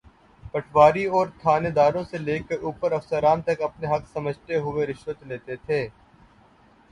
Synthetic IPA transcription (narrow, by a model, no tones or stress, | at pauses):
pəʈʰʋaːɾiɔːɾt̪ʰaːned̪aːɾõseleːkeʔuːpəɾɐfsəɾaːnt̪ɐkɐpneɦɐksɐməd͡ʒʱt̪eɦʊeɾɪʃʋət̪leːt̪et̪ʰeː